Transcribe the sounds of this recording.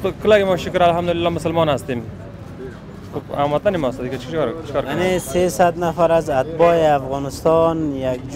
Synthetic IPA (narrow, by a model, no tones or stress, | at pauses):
kʰəlakɪmɔʃʊkɾalɦamd̪ʊlɪlːɔmʊsəlmɔnhast̪em | xoba̰mat̪̚ːanemɔst̪ad̪ɪkat͡ʃkɾt͡ʃʰɪ̥kɔɾkjanesesad̪nafaɾazat̪̚bɔeafɣɔnɪst̪ɔnjak̚